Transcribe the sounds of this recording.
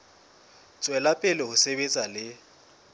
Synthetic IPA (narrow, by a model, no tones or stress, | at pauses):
t͡sʼwɛlapʼɪlɪhʊsebet͡sʼalɪ